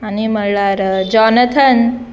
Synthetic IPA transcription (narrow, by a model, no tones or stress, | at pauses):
animəɽɭaɾd͡ʑɔnət̪ʰən